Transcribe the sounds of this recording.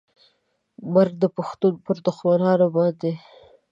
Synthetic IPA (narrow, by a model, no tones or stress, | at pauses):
maɾɡ̚d̪əpʊxt̪unpəɾd̪ʊxmanɑnobɑnd̪e